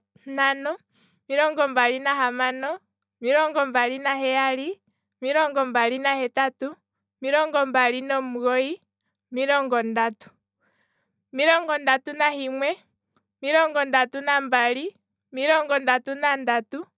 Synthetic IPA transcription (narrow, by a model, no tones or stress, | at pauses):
nanɔ | miɾɔŋɡɔmbaɾinaɦamanɔ | miɾɔŋɡɔmbalinaɦɛali | miɾɔŋɡɔmbalinahɛtatu | miɾɔŋɡɔmbalinɔmuɣɔi | miɾɔŋɡɔndatu̥ | miɾɔŋɡɔndatunahimwɛ | miɾɔŋɡɔndatunambali | miɾɔŋɡɔndatunandatu